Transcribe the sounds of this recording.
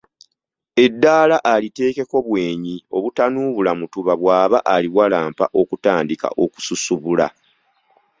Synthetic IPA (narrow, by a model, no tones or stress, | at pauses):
e̞dːaːlaʔalite̞ːke̞ko̞βwe̞ːɲio̞βutanuːβulamutuβaβwaːβaʔaliβwalaːmpa̰ʔo̞kutaːndika̰ʔo̞ku̥susuβula̰